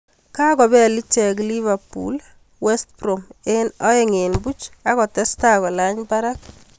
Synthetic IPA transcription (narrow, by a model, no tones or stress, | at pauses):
kakɔbɛlit͡ʃɛk̬livapṵl | wɛst̚promenɔeŋenbut͡ʃakɔtɛstakɔlaɲpaɾak̚